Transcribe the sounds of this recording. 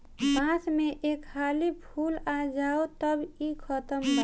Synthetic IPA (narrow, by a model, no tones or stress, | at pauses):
pãsmeʔekʰːalipʰulad͡ʒaot̪əbikʰət̪əmlə